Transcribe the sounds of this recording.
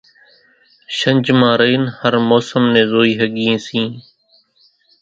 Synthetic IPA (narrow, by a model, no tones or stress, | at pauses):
ʃəɲʲd͡ʒmãːɾəiːnhəɾmoːsəmnẽːzoːiːɦəɠiẽːsĩː